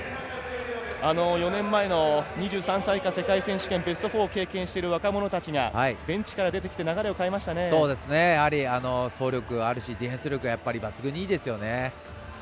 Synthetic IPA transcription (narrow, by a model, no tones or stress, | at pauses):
ano̞jo̞nẽ̞mːaeno̞ɲ̟iʑɨːsãsaikase̞kaisẽ̞ɰ̃ɕɨ̥kẽ̞mbe̞sɨ̥t̪o̞ɸoːke̞ːkẽɰ̃ɕi̥t̪e̞ɾɯ̟β̞akamo̞no̞t̪at͡ɕiɡahaibẽ̞ɲ̟t͡ɕi̥kaɾad̪e̞t̪e̞kʲi̥t̪e̞naɡaɾe̞okae̞maɕi̥t̪ane̞sso̞ːd̪e̞sɨne̞jahaɾʲiano̞so̞ːɾʲokɯ̟aɾɯ̟ɕid̪ʲẽɰ̃sɨɾʲo̞kɯ̟japːaɾʲibat͡sɨɡɯ̟ɲiiːd̪e̞sɨjo̞ne̞